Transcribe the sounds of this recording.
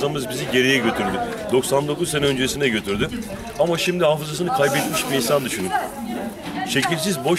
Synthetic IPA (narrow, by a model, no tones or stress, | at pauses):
amɯzbiziɟe̞ɾejɛɟø̞t̪ʰyɾd̪yd̪o̞ksand̪o̞kuzsenɛø̞nd͡ʒeisinɛɟø̞t̪ʰyɾd̪y | amaʃimd̪iɦaːfɯzasɯnɯkʰajbɛt̪miʃbiɾinsand̪yʃynym | ʃe̞cilʲsizbo̞